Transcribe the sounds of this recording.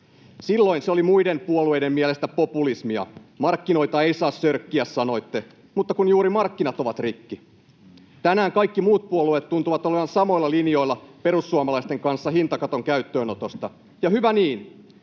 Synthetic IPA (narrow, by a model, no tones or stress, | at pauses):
silːo̞inseo̞limuide̞mpuolue̞jde̞mmiɛle̞st̪æpopulismiɑ̰mɑrkːino̞jt̪ɑe̞jsɑːssørkːiæssɑno̞it̪ːe̞ | mut̪ːɑkunjuːɾimɑrkːinɑt̪o̞ʋɑt̪rikːi | t̪ænæːŋkɑikːimuːt̪̚puoluet̪tunt̪uʋɑt̪o̞le̞ʋɑnsɑmo̞ilːɑlinjo̞ilːɑpe̞ɾusːuɑmɑlɑist̪e̞ŋkɑnsːɑhint̪ɑkɑt̪o̞ŋkæyt̪ːøːno̞t̪o̞st̪ɑ | jɑhyʋæniːn